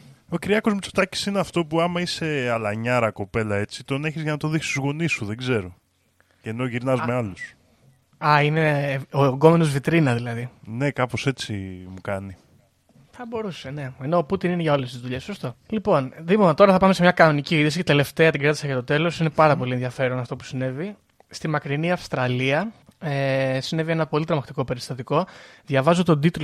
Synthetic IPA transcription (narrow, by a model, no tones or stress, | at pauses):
o̞ciɾiɐko̞zmut͡so̥t̪ɐci̥sineɐft̪o̞puɐmɐise̞ɐlɐɲɐɾɐko̞pe̞lɐe̞t͡si̥t̪o̞neçizʝɐnɐt̪oðiksi̥st̪uzɣo̞nisuðe̞ɡze̞ɾo̞ | eno̞ʝiɾnɐzme̞ɐlus | ɐine̞oŋɡo̞me̞no̞zvit̪ɾinɐðilɐðine̞kɐpo̞se̞t͡simukɐni | θɐbo̞ɾuse̞ne̞eno̞put̪inineʝɐo̞le̞st̪izðuʎe̞sso̞st̪o̞lipo̞nðimot̪o̞ɾɐθɐpɐmese̞mɲɐkɐno̞niciiðisicet̪e̞le̞ft̪e̞ɐt̪iɡɾɐt̪i̥sɐʝɐt̪o̞t̪e̞lo̞sine̞pɐɾɐpo̞lienðʝɐfe̞ɾonɐft̪o̞pu̥sine̞vi | st̪imɐkɾiniɐfst̪ɾɐliɐesine̞vienɐpo̞lit̪eɾomɐkt̪iko̞pe̞ɾist̪ɐt̪iko̞ðʝɐvɐzot̪o̞d̪it̪l